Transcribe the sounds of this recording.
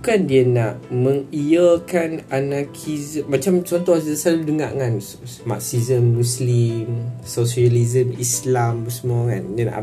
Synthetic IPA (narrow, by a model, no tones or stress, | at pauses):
bukandiənaʔməŋijəkananakʰizəmat͡ʃamt͡ʃɔnt̪ɔhsəsaludəŋa̰ʔŋan | ma̰ksizəmːũslimsosiəlizəmislambəsəmɔka̰ndiəna̰ʔ